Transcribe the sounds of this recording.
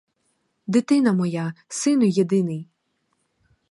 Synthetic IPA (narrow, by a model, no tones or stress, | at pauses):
d̪ɪt̪ɪnɐmɔjasɪnʊjed̪ɪnɪj